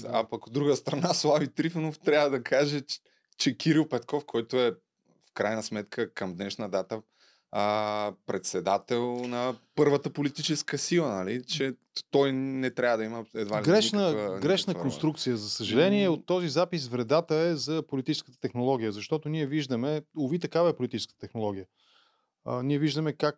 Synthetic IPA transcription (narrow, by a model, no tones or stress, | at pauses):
a̰pɐkod̪ːɾuɡəst̪ɾɐnaslˠavit̪ɾifnoft̪ɾʲavəd̪ɐkʰaʒɛ | t͡ʃɛkʰiɾilˠpɛt̪kɔfkʰɔjt̪oɛ | fkɾajnəsmɛt̪kʰəkɐmd̪nɛʃnəd̪at̪ə | əpɾɛt̪sɛd̪at̪ɛlˠnɐpɤɾvət̪əpolit̪it͡ʃɛskəsilˠənɐlit͡ʃɛ | t̪ɔjnɛt̪ɾʲavəd̪ɐiməɛd̪vaɡɾɛʃnəɡɾɛʃnəkonst̪ɾukt̪sijəzɐsəʒɐlɛniɛot̪ːɔzizapis̬vɾɛd̪at̪əɛzɐpolit̪it͡ʃɛ̥skət̪ə̥t̪ɛxnolˠɔɡ̟ʲijəzɐʃt̪ɔt̪ʊniɛviʒd̪əmɛovit̪ɐkavəɛpolʲit̪it͡ʃɛ̥skət̪ət̪ɛxnolˠɔɡ̟ʲijə | əniɛviʒd̪əmɛkak